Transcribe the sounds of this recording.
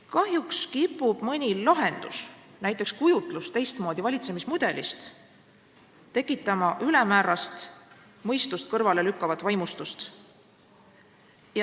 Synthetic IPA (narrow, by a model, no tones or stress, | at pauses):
kɑɦjukskipːˑub̥mɤnʲilɑɦe̞nd̪̥usnæjt̪ːˑe̞kskujut̪ˑlust̪e̞jst̪mo̞ːd̪̥ʲivɑlʲit̪se̞mismud̪̥e̞list̪ | t̪ːe̞kˑːit̪ːˑɑmɑʔylɛmæːɾɑst̪ | mɤjst̪ust̪̚kɤrvɑle̞lykːɑvɑt̪ːˑvɑjmust̪ust̪ | jɑ